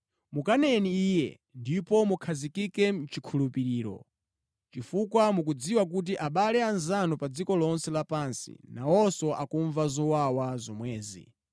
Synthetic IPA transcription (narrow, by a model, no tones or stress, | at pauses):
mukanɛniiːjɛ̰ | ndipɔmukʰazikikɛm̩t͡ʃikʰulupiɾiːɾɔ̰ | t͡ʃifukwamuk̬ud͡ziwak̬ut̬iʔaɓalɛanzanɔpad͡zikɔlɔnsɛlapansḭnawɔsɔʔakuɱvazɔwawazɔmwɛːzḭ